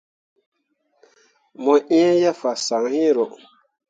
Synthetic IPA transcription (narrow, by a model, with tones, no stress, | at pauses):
mɔ˨ʔɛ̃˦ja˦fa˨sa˨ŋhi˦ɾɔ˨